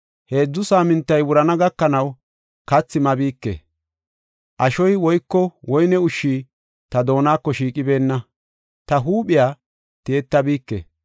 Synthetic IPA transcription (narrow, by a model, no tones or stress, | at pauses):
he̞ːd͡zːʊsaːmɪnt̪ːɐjwʊɾɐnɐɡɐkːɐnɐw | kɐt͡sːɪmɐbiːkːḛ | ʔɐʃɔjwɔjkːɔwɔjnɛʊʃːiː | t̪ɐd̪o̞ːnaːkːɔʃiːkʼɪbe̞ːnːɐ | t̪ɐɦuːɓɪjaː | t̪eːt̪ːɐbiːkːḛ